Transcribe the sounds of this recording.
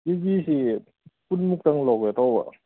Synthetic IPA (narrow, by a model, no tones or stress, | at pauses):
jiɡiːsi | punmuk̚t̪aŋlɔːk̚at̪ɔwa̰